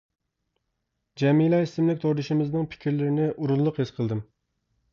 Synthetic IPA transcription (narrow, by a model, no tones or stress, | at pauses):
d͡ʒɛmilˠɑisɪmlɪkʲt̪ʰoɾd̪ɨʃɪmɪznɨŋpʰɪ̥kʲiɾlɪɾɪnɪʔuɾunlˠʊqhesqʰəlˠd̪ɨm